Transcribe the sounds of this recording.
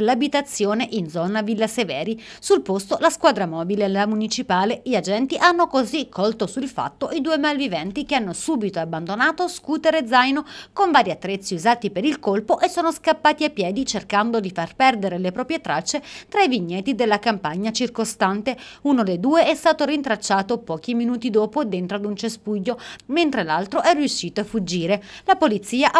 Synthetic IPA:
labit̪at̪sːjoːneʔind̪zɔːnavilːasevɛːɾisulpost̪olaskwaːd̪ɾamɔːbilelamunit͡ʃipaːleʎad͡ʒɛnt̪iʔanːokozikʰːɔlt̪osuilfa̰t̪ːoʔid̪uːemalvivɛnt̪ikeanːosuːbit̪oabːand̪onaːt̪oskuːt̪eɾed̪zajnokoɱvaːɾiat̪ːɾet̪sːiuzaːt̪ipeɾilkolpoʔesːoːnoskapːaːt̪iapːjɛːd̪it͡ʃerkand̪od̪ifarpɛrd̪eɾelepɾɔːpɾjet̪ɾat͡ʃːet̪ɾaiviɲːɛt̪id̪elːakampaɲːat͡ʃirkost̪ant̪eunod̪ejd̪uːeɛst̪aːt̪oɾint̪ɾat͡ʃːaːt̪opɔːk̟iminuːt̪id̪oːpoed̪ːent̪ɾod̪unt͡ʃespuʎːoment̪ɾelalt̪ɾoʔɛrːiuʃːiːt̪oafud͡ʒːiːɾelapolit̪sːiːaʔ

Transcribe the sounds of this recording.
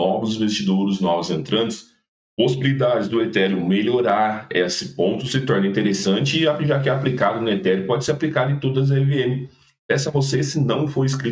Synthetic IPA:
ɔvʊzĩvest͡ʃid̪oɾɪznɔvʊzẽnt̪ɾɐ̃nt͡ʃɪ̥s | posibilid̪ad͡ʒɪzd̪ʊet̪ɛɾjʊmeʎoɾaɾesɪpõnt̪ʊsɪt̪ɔɾnɐĩnt̪eɾesɐ̃nt͡ʃɪɪaʒak̬ɪɛaplikad̪ʊnʊet̪ɛɾjʊpɔd͡ʒɪseɾaplikad̪ʊẽt̪od̪ɐz̬ɛveẽmɪ | pɛsɐvosesɪnɐ̃w̃foɾɪskɾi

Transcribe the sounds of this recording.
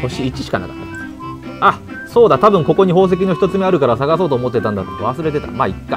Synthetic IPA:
ho̞ɕiːt͡ɕi̥ɕi̥ka̰na̰kḁt̪ːad̪sɨ̥ | a | so̞ːd̪at̪abɯ̟̃ŋko̞ko̞ɲ̟iɦo̞ːs̬e̞k̬ʲino̞çi̥t̪o̞t͡sɨme̞aɾɯ̟kaɾasaɣasoːt̪oːmo̞t̪ːet̪ãnd̪at̪od̪oβasɨɾe̞t̪e̞t̪a̰maikːa

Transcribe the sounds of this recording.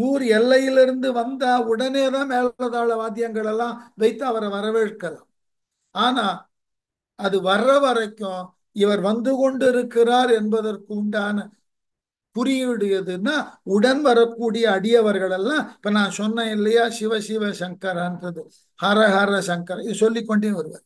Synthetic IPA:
uːɾɛlːɐjɪlɪɾɯnd̪ɯʋɐnd̪aːʊɽɐneːðãːmeːllɐðaːɭɐʋaːd̪ɪjɐŋɡɐɭɛlːãːʋɐɪt̪ːɐɐʋɐɾɐʋɐɾɐʋeːɾkːɐlãː | aːnaː | ɐðɯʋɐɾɐʋɐɾɐkːʊ̃ | ɪʋɐɾʋɐnd̪ɯkɔɳɖɪɾɯkːɪraːɾɛnbɐðɐrkɯʊɳɖaːnɐ | kʊrɪjʋɪɽɯjɐðɯnːaːʊɽɐnʋɐɾɐkːuːɽɪjɐːɽɪjɐʋɐɾɣɐɭɛlːãːɪpːɐnãːsɔnːɐ̃ɪlːɐjaːʃɪʋɐʃɪʋɐʃɐŋkɐɾɐndrɐðɯ | haɾɐɣaːɾɐʃɐŋkɐɾɪðɯsɔlːɪkːɔɳɖeːnʋɐɾɯʋa̰ːɾ

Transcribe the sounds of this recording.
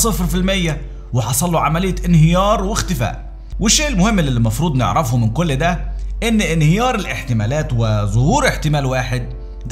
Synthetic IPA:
sˤefɾfilmæjːæ | wɪħɑsˤɑlːoʕamælɪjːæʔɪnhɪjɑːɾˤwɪxt̪ɪfæ̰ːʔ | wɪʃːeːʔɪlmʊhɪmːɪllːimɑfɾˤuːd̪ˤnɪ̰ʕɾɑfhumɪnkolːd̪æʔɪnːʔɪnhɪjɑːɾˤɪlʔɪħt̪ɪmæːlæːt̪wɪzˤʊhuːɾeħt̪ɪmæːlwaːħed̪̚ | d̪

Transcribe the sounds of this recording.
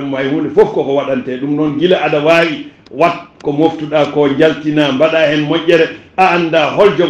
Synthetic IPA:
mmajhunɗɛfofkɔkɔwaɗantɛɗumnɔnɡilaʔaɗawaːwi | watkɔmoftuɗakɔɲd͡ʒaltinambaɗahɛnmɔɲʲʔʲːɛɾɛaːnːdaɦɔld͡ʒɔ

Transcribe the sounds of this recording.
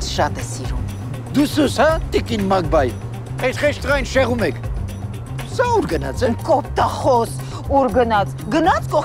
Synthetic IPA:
ʃɑt̪ɛsiɾṵm | d̪usushɑt̪ikinmɑɡ̚bɑj | ɛsχɛʃt̪ʁɑjnʃɛʁumɛkʰ | sɑuɾɡənɑ̰t͡sʰɛmkɔp̚ʰt̪ɑχɔs | uɾɡənɑt͡sʰ | ɡənɑt͡sʰkɔ

